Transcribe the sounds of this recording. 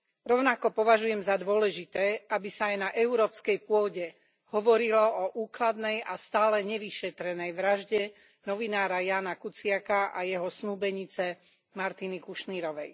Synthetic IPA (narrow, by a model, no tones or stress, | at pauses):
ɾɔʊnakɔpɔʋaʒujɛmzad̪ʊɔlɛʒit̪ɛːabisaːjnaʔɛuɾɔːpskɛjpʊɔɟɛ | hɔʋɔɾilɔɔʔuːklad̪nɛjʔast̪aːlɛɲɛʋiʃɛt̪ɾɛnɛjʋɾaʒɟɛ | nɔʋinaːɾajaːnakut͡sɪakaʔajɛɦɔsnuːbɛɲit͡sɛ | maɾt̪inikuʃniɾɔʋɛj